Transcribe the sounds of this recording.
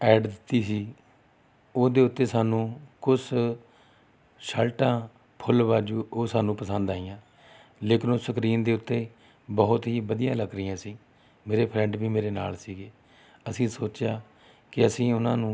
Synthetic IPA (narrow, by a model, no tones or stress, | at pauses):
ɛːɖd̪ɪt̪ːiːsiː | oːd̪eːʊt̪ːeːsaːnũːkʊs | ʃəlʈãː | pʰʊlbaːd͡ʒuːoːsaːnũːpəsənd̪aːiːãː | leːkɪnoːsəkɾiːnd̪eːʊt̪ːeː | bəɦʊt̪ɦiːbəd̪ɪjãːləɡɾəiːãːsĩː | meːɾeːpʰɾɛ̃ɳɖbiːmeːɾeːna̰ːlsiːɡeː | əsĩːsoːt͡ʃjaː | kɪəsĩːʊnãːnũː